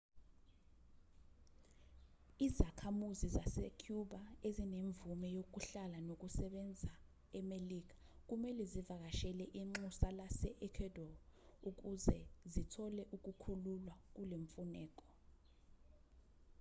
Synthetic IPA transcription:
izakʰamuzizasɛkʰjuɓaezineɱvumɛjok̬uɬalanok̬usɛɓɛnd͡zʱa | ɛmelik̬ḁ | k̬umɛlɛzivak̬aʃɛlɛʔiŋ͡ǃusalasɛʔɛkʰɛdɔuk̬uzɛzitʰɔlɛʔuk̬ʼukʰululwak̬uleɱfunɛːk̬ʼɔ̥

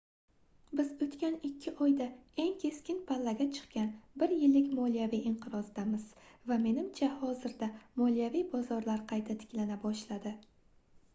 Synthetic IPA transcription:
bɪzɵt̪kʲanɪkʲʰːɪʔɒjd̪ae̞ŋkʲʰe̞skʲɪnpʰalːaɡʲat͡ʃʰɨ̥qkʲanbɪɾjɪlːɪkʲmɒlijavijʔɪɴqʰɨɾɒzd̪amɪz̥vame̞nɪmt͡ʃʰahɒzɪɾd̪amɒlijavijbɒzɒɾlaɾqʰɑjt̪ʰat̪ʰɪ̥kʲlanabɒʃlad̪ɪ

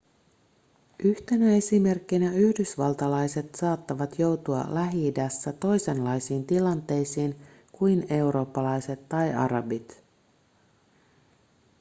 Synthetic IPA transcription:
ʔyht̪e̞næe̞sime̞rkːinæyhdysʋɑlt̪ɑlɑjse̞t̪sɑːt̪ːɑʋɑt̪jo̞wt̪uɑ̰læɦidæsːæt̪o̞jse̞nlɑjsiːnt̪ilɑnt̪e̞jsiːn | kujne̞wɾo̞ːpːɑlɑjse̞t̪ːɑjɑ̰ɾɑbit̪

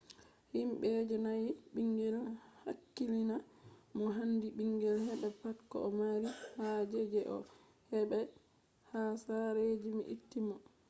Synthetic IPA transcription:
himɓɛd͡ʒɛnajiɓiŋɡɛlha̰kːilinamɔɦandiɓiŋɡɛlhɛɓɛpakːɔ̰ɔmaɾihad͡ʒɛd͡ʒɛʔɔ̰ | hɛɓɛ | hasaɾed͡ʒimḭʔḭtːimɔ

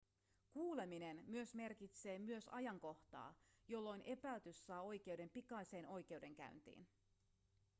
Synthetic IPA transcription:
kuːle̞mine̞nmyø̞sme̞rkit̪se̞ːmyø̞sɑ̰jɑŋko̞ht̪ɑ̰ːjo̞lːo̞jnʔe̞pælt̪ysːɑːo̞jk̟e̞wde̞mpikɑise̞ːnʔo̞jk̟e̞wde̞ŋk̟æ̰ynt̪ḭːn

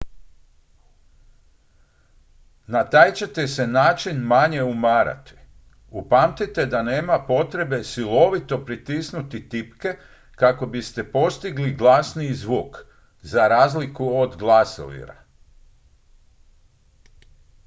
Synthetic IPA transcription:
nat̪aːjt͡ɕe̞t̪ese̞naːt͡ʃinmaɲe̞umaːɾa̰t̪i̥ | upaːmt̪it̪e̞d̪ane̞ːmapo̞t̪ɾe̞be̞silo̞ʋit̪o̞pɾit̪isnut̪it̪ipke̞ | kako̞bist̪epo̞st̪iɡliɡlˠasnizʋuːk | zaɾaːzlikuod̪ɡlˠaso̰ʋḭɾa̰

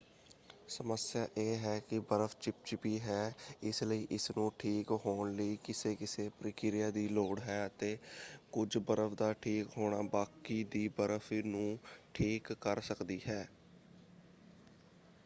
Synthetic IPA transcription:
səməsɪjaːʔeːɦɛːkɪbəɾəfʰt͡ʃɪp̚t͡ʃbiːɦɛːɪsləiːʔɪsnũːʈʰiːkɦoːɳləiːkɪseːkɪseːpɾəkɪɾɪjaːd̪iːloːɽɦɛːət̪eːkʊd͡ʒbəɾəfʰd̪aːʈʰiːkɦoːɽaːbaːkiːd̪iːbəɾəfʰnũːʈʰiːkːəɾsəkd̪iːɦɛː

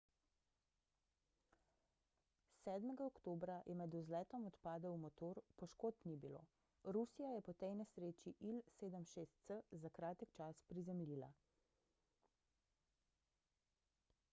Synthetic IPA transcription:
sɛːd̪mɛɡaɔkt̪oːbɾajʔɛmɛd̪uzlɛːt̪ɔmɔt̪paːd̪aumɔt̪oːɾpɔʃkoːt̪nibilo̰ | ɾusijajɛpɔt̪ɛjnɛsɾeːt͡ʃiʔilseːd̪əmʃeːst̪̚səzakɾaːt̪əkt͡ʃaspɾizɛmilila̰

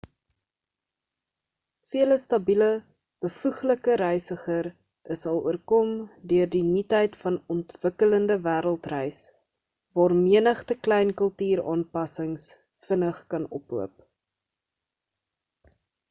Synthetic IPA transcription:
fiələstɐbilə | b̥əfuχləkəɾɛjsəχər | əsɐlˠṵərkɔmdøərdinitɦəjtfɐnɔntvəkələndəvæːɾəlˠtrɛjs | vɑːrmiənəχtəklɛjnkəlˠtyːɾɑːnpɐsəŋs | fənəχkɐnɔ̰puəp̚

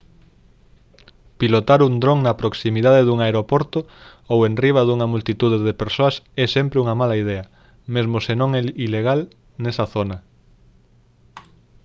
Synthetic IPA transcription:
pilot̪aɾund̪ɾoŋnɐpɾoksimið̞aðeðuŋaeɾopoɾt̪o | owenriβ̞ɐðuŋɐmult̪it̪uðeðepeɾsoɐsɛsɛmpɾeuŋɐmalɐið̞ɛɐ | mezmosenõŋɛileɣ̞al | nɛsɐθonɐ

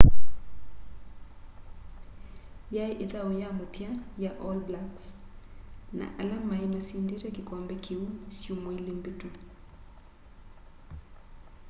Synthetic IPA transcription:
jaiʔeðaojamatjajaʔɔlblaks | na̰ʔalamaimasindiɾakikwambɛkʰiusjumoilimbito

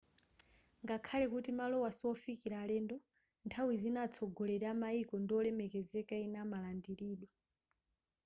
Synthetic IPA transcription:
ŋɡakʰalɛkutimalɔwasɔfikiɾaːlɛndɔ | ntʰawizinat͡sʰɔɡɔlɛɾamaikɔndiɔlɛmɛkɛzɛkainamalandiɾiːɗwa

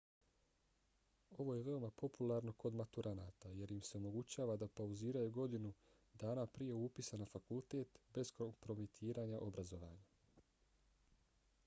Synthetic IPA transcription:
o̞ʋo̞je̞ʋe̞o̞mapo̞pulˠaɾno̞ko̞d̪mat̪uɾʔanaːt̪aje̞ɾjimse̞o̞mo̞ɡut͡ɕaːʋad̪apauziːɾajuɡo̞d̪inu | d̪aːnapɾije̞upisanafakulˠt̪e̞ːt̪be̞zkompɾo̞mit̪ʰiːɾaːɲaʔo̞bɾazo̞ʋa̰ːɲa

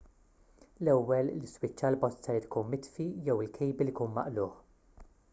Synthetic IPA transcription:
lɛwːɛllɪswɪt͡ʃːɐlbɔstːsɐjt̪kuːnmɪt̪fijɛwɪlkʰɛjbilikuːnmɐ̰ʔlʊːħ

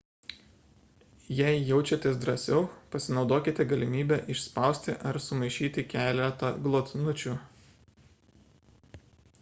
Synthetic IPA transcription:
jɛɪjɛʊt͡ʃʲɛt̪ʲes̬d̪ɾɐsʲɛʊpɐsʲɪnɒʊd̪oːkʲɪt̪ʲɛɡɐlʲɪmʲiːbʲɛʔɪʃspɑˑʊsʲt̪ʲɪʔɐɾsʊmɐɪʃʲiːt̪ʲɪkʲæːlʲɛt̪ɐɡlˠoːt̪ʲnʊt͡ʃʲuː

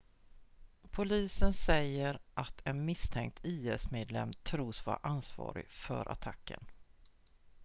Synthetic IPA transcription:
pʰʊliːsənsɛjːəɾʔat̪ʰɛnmɪst̪ʰɛŋk̚t̪ʰiːɛsmeːd̪lɛmt̪ʰɾuːsva̰ɾʔansvɑ̰ːɾɪ̰ɡfœ̰ɾʔa̰t̪ʰakːə̰n

